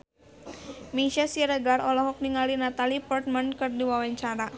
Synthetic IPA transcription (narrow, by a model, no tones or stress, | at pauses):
miʃasiɾəɡarɔlɔɦɔk̚niŋalinat̪alipɔrt̪̚mankərdiwawaɲt͡ʃaɾa